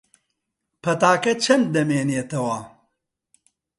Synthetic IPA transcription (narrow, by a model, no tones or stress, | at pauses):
pʰɐt̪aːkɐt͡ʃʰɐnd̪̚d̪ɐmeːneːt̪ɐwaː